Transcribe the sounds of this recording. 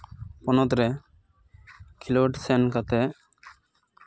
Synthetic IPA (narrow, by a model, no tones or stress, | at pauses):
pɔnɔt̪ɾɛ | kʰiloɖsɛnkat̪ɛ